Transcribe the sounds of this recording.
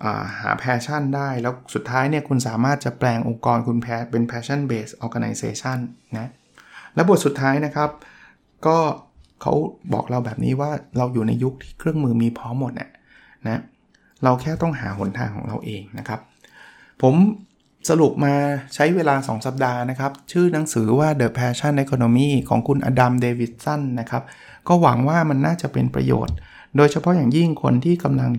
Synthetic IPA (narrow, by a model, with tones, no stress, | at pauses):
ʔə̰ː˨˩ha̰ː˩˦pʰɛː˧t͡ɕʰa˥˩ndaː˥˩jlɛː˦˥wsu˨˩t̪ʰːaː˦˥jni˥˩ɐkʰu˧nsaː˨˩˦maː˥˩t̪̚t͡ɕa˨˩plɛː˧ŋʔo̰˧ŋkɔː˧nkʰu˧npʰɛː˧pe˧npʰɛː˧t͡ɕʰa˥˩nbeː˨˩sʔɔː˧ɡa˧na̰˧jseː˧t͡ɕʰa˥˩nːa˦˥ | lɛː˦˥bu˨˩t̪su˨˩t̪ʰːaː˦˥jna˦˥kʰa˦˥p̚ | kɔː˥˩kʰa̰˦˥wbɔ̰ː˨˩k̚ɾa˧wbɛː˨˩p̚nḭː˦˥waː˥˩ɾa˧wjuː˨˩na̰˧jːu˦˥k̚t̪ʰiː˥˩kʰɾɯ˥˩əŋmɯː˧miː˧pʰɔː˦˥mːo˨˩t̪̚ʔa̰˨˩ | na˦˥ | ɾa˧wkʰɛː˥˩t̪ɔ˥˩ŋɦa̰ː˩˦ɦo˩˦nt̪ʰa̰ː˧ŋkʰɔ̰ː˩˦ŋɾa̰˧wʔeː˧ŋna˦˥kʰa˦˥p̚ʰː | o˩˦m | sa˧ɾu˨˩p̚maː˧t͡ɕʰa˦˥jweː˧laː˧sɔ̰ː˩˦ŋsa˨˩p̚daː˧na˦˥kʰa˦˥p̚t͡ɕʰɯː˥˩na˩˦ŋsɯː˩˦waː˥˩dɤː˨˩pʰɛː˧t͡ɕʰa˥˩nʔe˦˥kʰoː˧noː˧miː˥˩kʰɔ̰ː˩˦ŋkʰu˧nʔa̰ː˧da˧mdeː˧wi˨˩t̪̚sa˥˩nːa˦˥kʰa˦˥p̚ | kɔː˥˩wa˩˦ŋwaː˥˩ma˧nːaː˥˩t͡ɕa˨˩pḛ˧npɾa̰˧jo̰ː˨˩t̪̚ | doː˧jt͡ɕʰa˧pʰɔ˦˥jaː˨˩ŋji˥˩ŋkʰo̰˧nt̪ʰiː˥˩ka˧mla˧ŋ